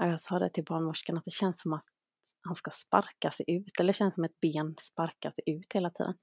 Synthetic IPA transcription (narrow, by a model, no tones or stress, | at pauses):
ɔjɑːsɑːd̪ɛ̰t̪ʰɪlbɑːɳmʊʂkaɳat̪̚d̪ɛɕɛnsːɔmat̪ | hanskaspa̰ɾkasɛjʔʉ̟ːt̪ɛlːəɕɛnsːɔmɛt̪̚beːnspaɾkasɛjʉ̟ːt̪heːlat̪ʰḭːd̪ən